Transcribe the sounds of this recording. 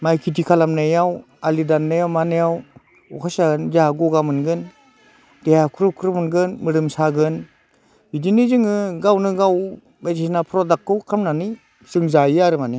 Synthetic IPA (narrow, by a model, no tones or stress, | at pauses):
majkʰitikʰalamnɯjaw | alidanːɯjawmanejaw | ɔkʰasaɡɯnzaaɡɔɡamɯnɡɯn | d̥ejakʰɾukʰɾɯmɯnɡɯnmɯɾɯmsaɡɯn | bidinizɯŋɯɡawnɯɡaw | bajzisnapʰɾɔdakːɯwkʰamnani | z̥ɯŋzajaɾɯmani